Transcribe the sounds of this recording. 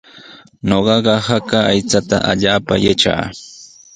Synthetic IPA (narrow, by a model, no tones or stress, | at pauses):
noɢɑɢɑhakaːjt͡sat̪a̰ʔaʎaːpajaʈ͡ʂa̰ː